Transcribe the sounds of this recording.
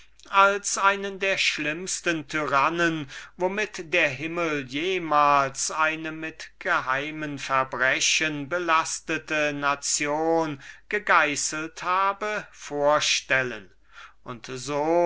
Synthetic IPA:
ʔalsʔaɪnəndeːɐʃlɪmstəntʰyʁanənvomɪtd̥eːɐɦɪməljeːmaːlsaɪnəmɪtɡ̥əɦaɪmənfɛɐbʁɛɕənbəlastətənat͡sjoːnɡ̥əɡaɪsəl̩thaːbəfoːɐʃtɛlən | ʔʊntzoː

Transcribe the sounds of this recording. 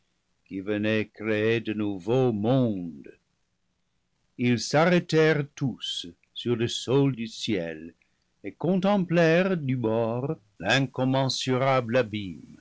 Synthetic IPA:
kivənɛkɾeedənuvomɔ̃d̪ | ilsaʁetɛʁtusː | yʁləsɔld̪ysjɛ̰l | ekɔ̃nt̪ɑ̃mplɛʁdybɔʁ | lɛ̃kɔmɑ̃syʁablabim

